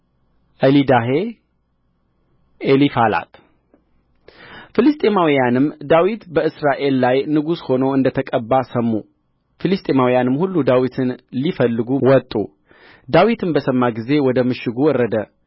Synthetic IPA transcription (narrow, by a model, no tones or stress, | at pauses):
ʔəlid̪aɦe̞ | elifala̰t̪ | fɨlɨst̪ʼemawijanɨmːd̪awit̪bəɨsɾaʔe̞lːajnɨɡusho̞noɨnd̪ət̪ʰəkʼəbːasəmːu | filɨst̪ʼemawijanɨmːhulːud̪awit̪ʰɨnlifəlːɨɡuwɔt̪ʼːṵ | d̪awit̪ʰɨnbəsəmːaɡize̞wɔd̪əmɨʃːɪɡuwɔrːəd̪ə